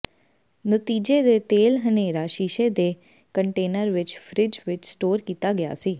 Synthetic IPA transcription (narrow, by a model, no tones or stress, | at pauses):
nət̪iːd͡ʒeːd̪eːt̪eːlɦəneːɾaːʃiːʃeːd̪eː | kəɳʈeːnəɾʋɪt͡ʃpʰɾɪd͡ʒʋɪt͡ʃsʈoːɾkiːt̪aːɡɪja̰ːsiː